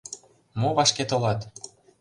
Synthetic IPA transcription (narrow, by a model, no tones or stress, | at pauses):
moβɑʃket̪olɑt̪